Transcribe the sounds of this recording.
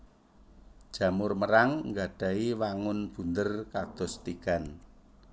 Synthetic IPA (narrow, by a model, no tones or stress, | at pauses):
d̥ʒ̥ä̤mʊrməɾaŋŋɡaɖ̥a̤iwaŋʊnb̥ṳnd̪ərkad̪̥ɔ̤st̪iɡ̥an